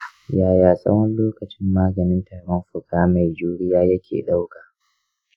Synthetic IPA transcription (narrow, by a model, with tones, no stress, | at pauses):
jaː˨jaː˨sʼɐ̰˦wɐ˦nloː˦kɐ˨t͡ʃɪ˦mːaː˦ɡɐ˨nɪ˦ntaː˨ɽɔ˦mɸʊ˨kaː˦ma˨jd͡ʒuː˦ɽɪ˦jaː˦jɐ˦kʲʰḛː˨ɗa˦wkaː˨